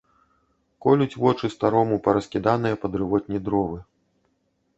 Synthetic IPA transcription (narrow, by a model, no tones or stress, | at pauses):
kɔlʲut͡sʲvɔt͡ʂɨst̪aɾɔmupɐɾɐskʲid̪an̪ɨjɐpɐd̪ɾɨvɔt̪̚ʲnʲid̪ɾɔvɨ